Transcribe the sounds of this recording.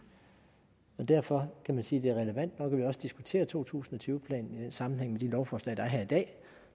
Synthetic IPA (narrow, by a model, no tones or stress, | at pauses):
ɒ̽d̥æɐfɒ̽kʰæmænsiːd̥e̝æɐʁɛləʋæn̰d̥nɒ̽kʰæʋiɒ̽sə̥d̥isɡ̥ut͡sʰe̝̰ːɐt͡sʰo̝̰ːt͡sʰṵːsn̩ɒt͡sʰyːʊpʰlɛ̰ːnn̩id̥ensɑ̈mn̩ɦeŋ̰med̥ilɒʊfɒːslɛ̰ːd̥ɑ̈æɐɦæɐ̰id̥ɛ̰ː